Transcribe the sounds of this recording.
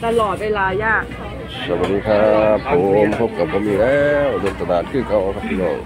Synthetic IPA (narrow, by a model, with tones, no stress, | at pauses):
t̪a˧lɔː˨˩t̪̚weː˧laː˧jaː˥˩k̚ | sa˨˩wa˨˩t̚ːiː˧kʰa˦˧pʰːo˨˩mpʰo˦˥p̚ka˨˩p̚kʰɔ˧˦miː˧˩lɛː˧wdɤː˧nt̪a˧˩daː˨˩n̚kʰɯː˥˩ka˧˩wa˧kʰa˦˥p̚tʰiː˧lɔ̰ː˧˩ŋ